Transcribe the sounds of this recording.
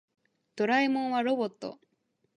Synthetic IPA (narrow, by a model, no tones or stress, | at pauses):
d̪̥o̞ɾaimõ̞ɰ̃βaɾo̞bo̞t̪ːo̞̰